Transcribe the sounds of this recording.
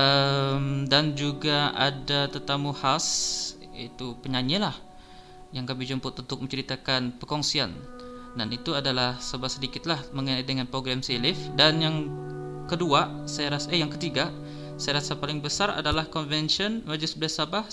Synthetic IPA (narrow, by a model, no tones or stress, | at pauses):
ʔəmdand͡ʒuɡaa̰dat̪ət̪amuhas | it̪upəɲaɲilah | jaŋkamɪhd͡ʒumpʊt̪unt̪ʊk̚mə̃ɲt͡ʃəɾit̪akanpəkɔŋsiandanit̪uadalahsabahsədikɪt̪̚lahməŋənait̪̚dəŋanpɾoɡɾamselɪfdanjaŋkəduasajaɾasaəjaŋkət̪iɡa | sajaɾasapalɪŋbəsara̰dalahkɔnvɛnʃɔnmad͡ʒusbədasabah